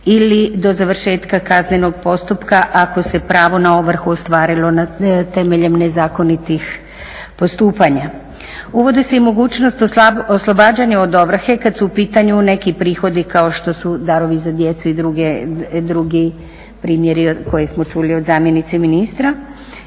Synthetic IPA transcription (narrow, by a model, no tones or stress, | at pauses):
ilid̪o̞zaʋr̩ʃe̞ːt̪kakazneno̞ɡ̚po̞st̪upkaʔako̞se̞pɾaːʋo̞naoʋr̩xuost̪ʋaːɾilo̞nat̪e̞me̞ʎe̞mnezaːko̞nit̪ix | po̞st̪uːpaɲa | uʋo̞d̪eseimo̞ɡuːt͡ʃnost̪oslˠo̞baːd͡ʑaɲao̞d̪o̞bɾxe̞kad̪suːpiːt̪aɲune̞kipɾiːxo̞d̪ikao̞ʃt̪o̞sud̪aɾo̞ʋizad̪je̞t̪suid̪ɾuɡed̪ɾuɡi | pɾiːmje̞ɾiko̞jesmo̞t͡ʃulio̞d̪zaːmje̞nit̪seminist̪ɾa